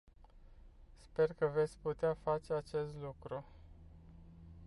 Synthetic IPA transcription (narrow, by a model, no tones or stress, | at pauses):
spe̞rkəve̞t̪sʲput̪eafat͡ʃe̞at͡ʃe̞st̪lukɾu